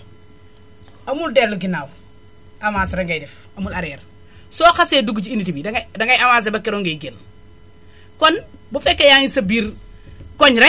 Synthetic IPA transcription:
ɐmuldelluɡinaːw | amasɾaŋɡajdef | ɐmulaɾeɾ | soːxaseduɡut͡ʃiinitibidaŋdaŋɡajamaːs̬ebakːeɾoŋɡejɡen | konbufekːejaŋisɐbiːɾkoɲɾa

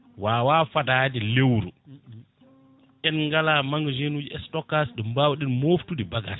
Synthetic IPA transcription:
waːwaːfadaːdɛlewɾṵ | ʔɛnŋɡalamaŋɡd͡ʒenud͡ʒiɛstɔkasɗɛmbawɗinmoftudibaɡa̰s

